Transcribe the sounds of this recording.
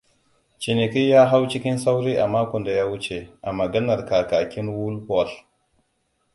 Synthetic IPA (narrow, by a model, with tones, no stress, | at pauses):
t͡ʃi˨ni˨ki˦ja˦ɦa˦wt͡ʃi˦kʲi˦nsa˦wɾi˦ʔa˨ma˦kʷɔ˨nda˨ja˦wu˦t͡ʃe˨ʔa˨mɐ˨ɡɐ˦na˨ɾka˨ka˨kʲi˦nwu˦lhɔ˦˨l